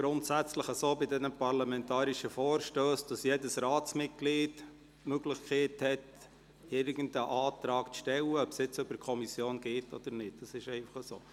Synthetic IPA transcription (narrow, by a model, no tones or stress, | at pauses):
ɡ̥ɾʊntsæt͡sləχəsoːbɪdɛnəpɑɾlɑmɛntɑːɾiʃəfoːɾʃtøːsd̥ɑsjɛdəsɾɑːtt͡smɪt̚ɡ̥liːt | møɡlɪχkχɛɪthɛt | ɪɾɡ̥ən̩dəʔɑːtɾɑːktʃtɛlːəœpsjɪt͡sʏbəkʰɔmisjoːnɡ̥eːtɔ̰d̥̪əɾnɪt̚d̥ɑsɪʃɛɪfɑχəsoː